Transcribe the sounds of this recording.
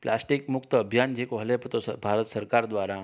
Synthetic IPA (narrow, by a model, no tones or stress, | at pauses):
pla̰sʈikmukt̪əəbʱjand͡ʑekoɦlept̪osbʱaɾət̪səɾkaɾd̪ʋaɾa